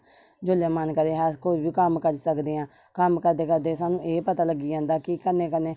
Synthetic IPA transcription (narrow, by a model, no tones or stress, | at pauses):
d͡ʒolẽːmənkəɾeːɦɛːskoːiːbiːkəmkəɾsəkd̪eːãː | kəmkəɾd̪eːkəɾd̪eːsaːnũːʔeːpət̪aːləɡːiːd͡ʒãːnd̪aːkikəneːkənːeː